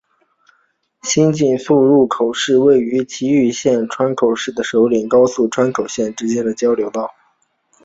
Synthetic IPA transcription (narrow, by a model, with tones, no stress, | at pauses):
ɕi˥nt͡ɕi˥˧ŋfu˥˧ɻu˥˩kʰo˨˩ʊʂɻ̩˥˧we˥˩ɪy˧˥t͡ɕʰi˧˥y˥˧ɕjɛ˥˧nʈ͡ʂʰwa˥nkʰo˨˩ʊʂɻ̩˥˩d̪ə˩ʂo˧˥ʊli˨˩ŋkɑ˥ʊsu˥˩ʈ͡ʂʰwa˥nkʰo˨˩ʊɕjɛ˥˩nʈ͡ʂɻ̩˥t͡ɕjɛ˥nd̪ə˨t͡ɕjɑ˥ʊljo˧˥ʊt̪ɑ˥˩ʊ